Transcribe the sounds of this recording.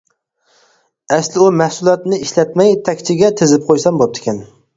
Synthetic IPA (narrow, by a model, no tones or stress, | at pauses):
ɛslɪumæhsulˠɑt̪nɪiʃlɛt̪mɛjt̪ʰɛkʲt͡ʃʰɪɡʲɛt̪ʰezɪp̚qʰojsɑmbop̚d̪ʰɪ̥kʲʰɛn